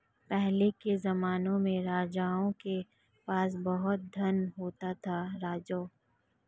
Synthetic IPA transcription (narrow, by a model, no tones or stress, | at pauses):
pɛɦlekezɐmaːnõmẽɾaːd͡ʒaːõke | paːs̬bɐɦʊt̪̚d̪ʱɐnɦoːt̪at̪ʰaɾaːd͡ʒoː